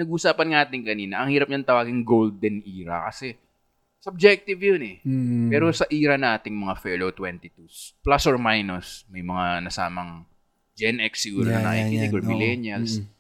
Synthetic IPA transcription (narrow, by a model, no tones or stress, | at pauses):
nɐɡʊʔsaːpɐnŋaːt̪ɪŋkɐniːnɐʔɐŋhiːɾɐp̚ɲant̪ɐwaːɡɪŋɡowld̪ɛnʔiːɾɐ̰kɐsɛ | sɐb̚d͡ʒɛk̚t̪ɪvjonɛpɛːɾosɐʔiːɾɐnʔaːt̪ɪŋmɐŋafɛlot̪wɛnt̪ɪt̪usplasoɹmajnosmɐjmɐŋanɐsa̰ːmɐŋ | d͡ʒɛnʔɛksːɪɡuːɾonɐnɐʔiɪɪɡoɹmɪlɛnjɐls